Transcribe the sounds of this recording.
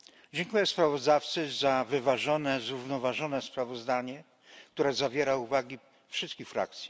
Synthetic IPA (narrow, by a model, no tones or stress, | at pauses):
d͡ʑɛŋkujɛspɾavɔzd̪aft̪sɘzavɘvaʐɔnɛzɾuvnɔvaʐɔnɛspɾavɔzd̪aɲɛ | k̚t̪uɾɛzavʲjɛɾauvaɡʲi | fʂɘst̪kʲixfɾa̰k̚t̪sʲji̥